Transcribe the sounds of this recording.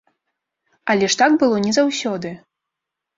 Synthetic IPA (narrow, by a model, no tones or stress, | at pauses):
ɐlʲɛʂt̪aɡbɨlˠɔnʲɛzawsʲɔd̪ɨ